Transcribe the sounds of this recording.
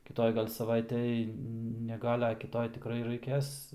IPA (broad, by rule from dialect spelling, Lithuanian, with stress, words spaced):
kʲɪˈtoːj ɡɐlʲ sɐˈʋɐɪtʲɛj nʲɛ ˈɡɐlʲ ɐ kʲɪˈtoːj tʲɪˈkrɐɪ rɐɪˈkʲeːs